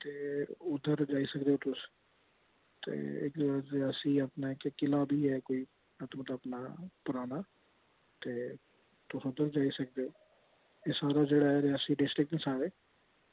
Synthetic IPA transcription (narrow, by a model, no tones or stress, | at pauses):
t̪eːʊd̪əɾd͡ʒaːiːsəkd̪eoːt̪ʊs | t̪ḛːɪ̰kd̪aɾɪaːsiːəpnaːɪkkɪlaːbʱiːɦɛːkoːiː | ət̪mət̪əpnaːpʊɾaːnaː | t̪eː | t̪ʊsʊd̪əɾd͡ʒaːiːsək̚d̪eːoː | eːsaːɾaːd͡ʒeːɽaːɦɛːɾɪaːsiːɖɪsʈɾɪk̚d̪ẽːsaːɾeː